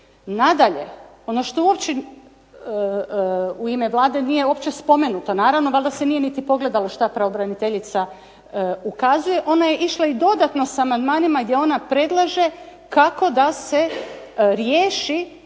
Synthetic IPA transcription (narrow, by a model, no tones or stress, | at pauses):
nad̪aʎe̞ | o̞no̞ʃt̪ouopt͡ɕe | uime̞ʋlˠaːd̪e̞nije̞opt͡ɕe̞spo̞me̞nut̪o̞naːɾaʋno̞ʋalˠd̪ase̞nije̞nit̪ipo̞ɡle̞d̪alˠoʃt̪apɾaobɾanit̪eʎit̪sa | ukazuje̞ʔo̞naje̞ʔiʃlaid̪o̞d̪at̪no̞samand̪maːnimaɡd̪jeo̞napɾe̞d̪lˠaʒe̞ | kako̞d̪ase̞ | ɾjeːʃi